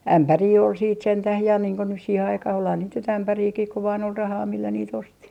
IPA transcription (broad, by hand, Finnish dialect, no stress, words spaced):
æmpæriː ol siːt sentæh jɑ niːŋ ko nys siːhe ɑikɑh olhɑn niːt nyt æmpæriːkih ku ʋɑːn ol rɑhɑː milːæ niːt osti